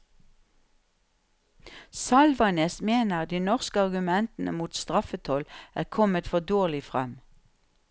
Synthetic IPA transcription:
sɑlʋɑneːsmeːnəʁd̪iːnɔʁskəɑʁɡʉmɛnt̪n̩ə̰muːt̪st̪ʁɑfət̪ʰɔlæːʁkʰɔmət̪fɔd̪oːʁlɪfʁɛ̰m

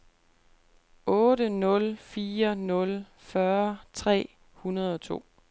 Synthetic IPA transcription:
ɔ̽ːɾənɔ̽lfiːɐnɔ̽l | fɶɐt͡sʰʁɛ̰ː | hunɐð̞ˠɒ̽t͡sʰo̝̰ː

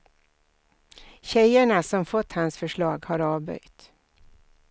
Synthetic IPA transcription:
ɕɛjəɳasɔmfɔt̪ːhansfœʂɭɑːɡhaɾɑːvbœ̰jt̪

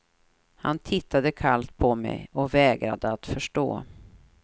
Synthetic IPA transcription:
hant̪ʰɪt̪ːad̪əkʰalt̪̚pʰɔmɛ̰jɔvɛːɡɾa̰d̪əat̪fœʂʈo̰ː

